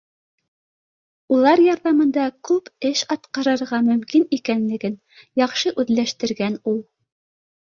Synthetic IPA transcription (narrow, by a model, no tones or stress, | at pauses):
ulˠɑɾjɑɾðɑmɤ̆nd̪ɑkʉpɘʃɑt̪qɑɾɤ̆ɾʁɑmɵ̆mkinikænlɘ̆ɡɘn | jɑχʃɤʔʉðlæʃt̪ɘ̆ɾɡænulˠ